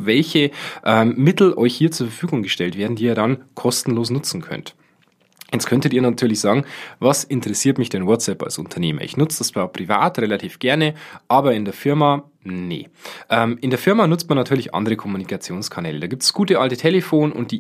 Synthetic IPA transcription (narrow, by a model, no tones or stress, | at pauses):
vɛlçəʔɛːmːɪtl̩ʔɔ̰ʏçhiːɐt͡suːɐfɐfyːɡʊŋɡəʃtɛltv̥eːɐdn̩diːiːɐdankʰɔstn̩loːsnʊt͡sn̩kʰœ̰nt | jɛt͡skʰœntətiːɐnatʰyːɐlɪçz̥ɑːɡŋ̩vasɪntəʁɛsiːɐtmɪçd̥enwɔtt͡sɛpa̰lsʊ̰ntʰɐneːmɐ̰ʔɪ̰çnʊt͡sd̥ast͡sv̥aːpʁ̥iva̰ːtʁelatʰiːfɡ̥ɛɐnəʔaːbɐɪndeːɐfɪɐma | nḛʔɛːmʔɪndeːɐfɪɐmanʊt͡st̚manːatʰyːɐlɪçʔɑ̰ndəʁəkʰɔmunikʰat͡sjoːnskʰanɛ̰ːlədaːɡiːp̚tsɡ̥uːtəʔaltətʰeləfoːnʊ̰nt̚d̥iː